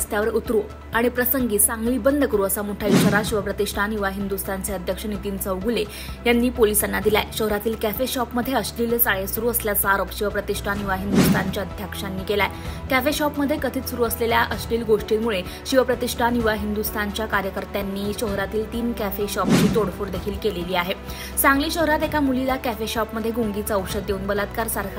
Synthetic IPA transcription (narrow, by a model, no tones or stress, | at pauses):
st̪jaʋəɾut̪ɾu | aɽ̃ipɾəsəŋɡiːsãŋɡliːbənd̪ʱəkəɾuːəsamoʈʰaiɕaɾaɕiʋəpɾət̪iʂʈʰaniʋaɦind̪ust̪ʰant͡seəd̪ʱjəkʂənit̪iːnt͡səʋɡule | janːiːpolisanːad̪ilaeɕəɦɾat̪iːlkæfeɕɔpməd̪ʱːjeəsʈiːlsaɭesuɾuːəsljat͡saɾopɕiʋ̤əpɾət̪iʂʈʰaniʋaɦind̪ust̪ʰant͡ɕjaəd̪ʱjəkʂanːiːkelaekæfeɕɔpməd̪ʱːjekəd̪ʱiːt͡s̪suɾuːəsleljaʔəsʈiːlɡoʂʈiɾmuɭe | ɕiʋəpɾət̪iʂʈʰaniʋaɦind̪ust̪ʰant͡ɕjakaɾjəkəɾt̪janːiːɕəɦɾat̪iːlt̪iːnkæfeɕɔpt͡ɕiːt̪oɽfuːɽd̪ekʰiːlkeleliːaɦe | t͡saŋɡliːɕəɦɾat̪ekamulilakæfeɕɔpməd̪ʱːjeɡuŋɡit͡saəwʂəd̪jeuːnbəlad̪kaɾsaɾkʰ